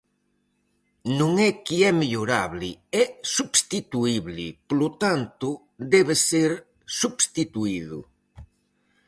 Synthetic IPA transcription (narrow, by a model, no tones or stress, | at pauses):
nũŋɛkiɛmeʎoɾaβlɪɛsubst̪it̪uiβlɪpolot̪ant̪ʊ | d̪ɛβeseɾ | subst̪it̪uiðʊ̰